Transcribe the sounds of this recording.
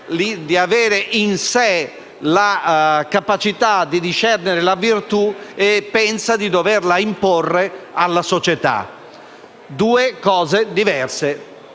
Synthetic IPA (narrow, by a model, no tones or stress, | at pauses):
lid̪iavɛːɾeʔinsɛ | lakapat͡ʃit̪ad̪id̪iʃɛrneɾelavirt̪uepːɛnsad̪id̪ɔverlaimporːealːasot͡ʃɛt̪a̰ | d̪uːekɔːzed̪ivɛrse